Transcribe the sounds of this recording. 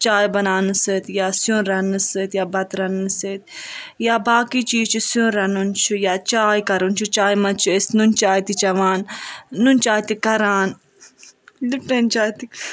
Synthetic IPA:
t͡ʃaːjbɐnaːnɨsət̪jaːsjõnɾɐnɨsɨːt̪jaːbɐt̪ɾɐnːɨsɨt̪jaːbaːkiːt͡ʃiːzt͡ʃʰusjõɾɐnunt͡ʃʰujaːt͡ʃaːjkɐɾunt͡ʃʰut͡ʃaːjmɐt͡ʃʰiest̪nunt͡ʃaːjit̪it͡ʃɐʋaːnːunt͡ʃaːjt̪ikɐɾaːn | lipent͡ʃaːjt̪i

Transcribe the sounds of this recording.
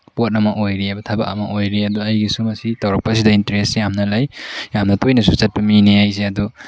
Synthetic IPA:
pot̚ɐmɐʔojɾiɐbɐtʰabɐ̰kɐ̰mɐʔojɾiɐduɐjɡisumɐsitɐwɾɐk̚pɐsidɐintɐɾesjamnɐlɐjjamnɐtʰojnɐsusɐt̚pɐmineajzeɐdu

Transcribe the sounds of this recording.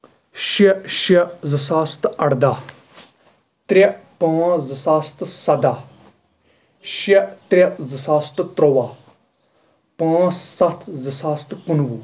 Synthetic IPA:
ʃiʃezəsaːst̪ɐɽd̪aː | t̪ɾʲepãːzəsaːst̪sɐd̪aː | ʃit̪ɾʲezəsaːst̪t̪ɾoʋaː | pãːt͡ssɐt̪ʰzəsaːst̪kʊnʋu

